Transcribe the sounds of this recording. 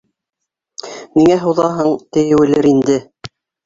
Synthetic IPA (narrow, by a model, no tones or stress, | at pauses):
niŋæɦɤ̆wðɑɦɤɴt̪ɘ̆jɘ̆wɘ̆lɘɾind̪ɘ